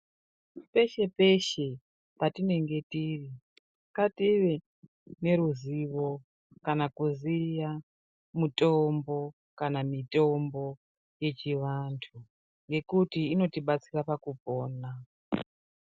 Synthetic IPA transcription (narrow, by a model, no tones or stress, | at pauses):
pe̞ʃe̞pe̞ʃe̞ | patine̞ŋɡe̞tiri | katiʋe | ne̞ɾuziʋo̞ | kanakuzija | mutombo̞ | kanamito̞mbo̞ | je̞t͡ʃiʋantʰu | ŋɡe̞kutiːno̞tiɓat͡sirapakupoːna